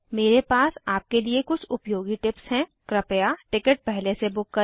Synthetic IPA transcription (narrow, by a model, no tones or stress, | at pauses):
meːɾepaːsaːp̚keliekʊt͡ʃʰʊpjoːɡiʈɪpsɦɛ̃kɾɐpjaʈɪkəʈ̚pɛɦlesebʊkːə